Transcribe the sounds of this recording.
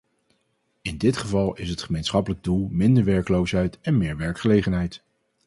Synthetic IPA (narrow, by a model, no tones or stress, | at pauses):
ɪndɪtχəvɑlˠɪsɦətχəmejnsχɑpələɡ̚dulˠmɪndəɹʋɛɹkəlowsɦɛjtɛnmɪːɹʋɛɹkχəlejχənɦɛjt